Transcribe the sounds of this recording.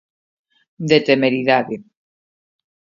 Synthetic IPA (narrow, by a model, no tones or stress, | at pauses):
d̪et̪emeɾiðaðe